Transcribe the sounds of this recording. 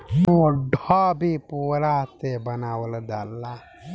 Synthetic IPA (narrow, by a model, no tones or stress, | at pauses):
muɖʱɔbʱipuɾat̪ebɐnaːwəld̪alːa